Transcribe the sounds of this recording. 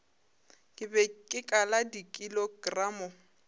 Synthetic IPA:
kʼɪbɛkʼɪkʼaladikʼiloɡramʊ

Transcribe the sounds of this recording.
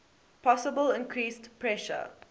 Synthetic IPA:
pʰɔsəbəlɪ̃nkʰɹiːstpʰɹɛʃə̰

